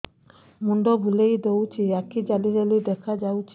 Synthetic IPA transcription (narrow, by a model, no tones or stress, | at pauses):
muɳɖobʱulejd̪ewt͡ɕʰiɛkid͡ʑaliɾelid̪ɛkʰad͡ʑawt͡ɕʰ